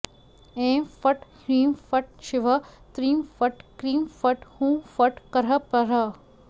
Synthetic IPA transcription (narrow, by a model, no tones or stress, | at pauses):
ẽːfɐʈhɾiːmfɐʈ̚t͡ʃʰɪʋɐt̪ɾiːmfɐʈkɾiːmfɐʈhũːfɐʈkɐɾɐpɐɾɐ